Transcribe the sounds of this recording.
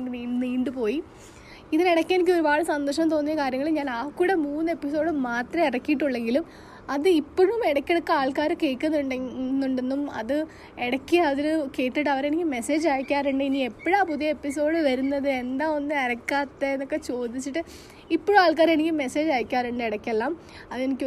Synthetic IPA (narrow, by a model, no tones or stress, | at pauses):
ɖɨiːniːɳɖɨpo̞ːji | iðineɽɐkʲːenik̬ʲːɨo̞ɾubaːɭɨsɐnd̪ɐʂɐmt̪o̞ːnːijːɐkaːɾjɐŋːɐɭiɲaːnaːkːuɽemuːnːɨe̞pːiso̞ːɽɨmaːt̪rɐmeɽɐkːijiʈːuɭːe̞ŋɡilum | ɐðɨipːoɻumeɽɐkʲːeɽɐkːɨaːɭkaːɾɨke̞ːkːunːnːuɳɖe̞nːumɐ̰ðɨ | eɽɐkʲːiɐðiɾɨke̞ːʈːiʈːɐʋɐɾenikʲːɨme̞se̞ːd͡ʑaːjkʲːaːɾuɳɖɨinie̞pːɐɻaːpuðijɐepːis̬o̞ːɽɨʋɐɾunːɐðɨe̞nd̪aːo̞nːɨɐɾɐkːaːt̪ːeenːo̞kːe̞t͡ɕo̞ːd̪it͡ɕːiʈːɨ | ipːoɻumaːɭkaːɾenikʲːme̞se̞ːd͡ʑaːjkʲːaːɾuɳɖɨeɽɐkʲːelːaːm | ɐðe̞nikʲː